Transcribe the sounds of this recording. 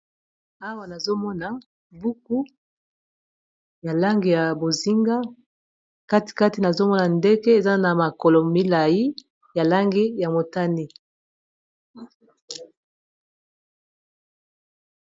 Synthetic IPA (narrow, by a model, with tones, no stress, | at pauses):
a˦wa˨na˨zo˦mɔ˦na˨ | bu˦ku˦ | ja˨la˦ŋɡe˨ja˨bo˨zi˦ŋɡa˦ | ka˦ti̥˨ka˦ti˨na˨zo˦mɔ˦na˨nde˦ke˦e˨za˦na˨ma˨ko˨lo˨mi˦la˨ji˦ | ja˨la˦ŋɡe˦ja˨mo˨ta˦ni˦